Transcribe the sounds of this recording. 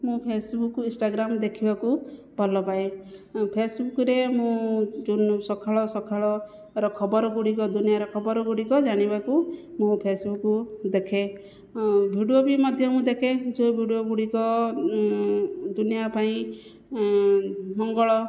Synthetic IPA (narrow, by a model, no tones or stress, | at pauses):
mũpʰesbukːuĩsʈaɡɾamd̪ekʰibaku | bʱɔlɔpaepʰesbukɾemũd͡ʒunsɔkʰaɭɔsɔkʰaɭɔ | ɾɔkʰɔbɔɾɔɡuɽikɔd̪unijaɾɔkʰɔbɔɾɔɡuɽikɔd͡ʒaɽ̃ibakumũpʰesbukːud̪ekʰe | bʱiɽiobimɔd̪ʱjɔmũd̪ekʰed͡ʒobʱiɽioɡuɽikɔ | d̪unijapaĩ | mɔŋɡɔɭɔ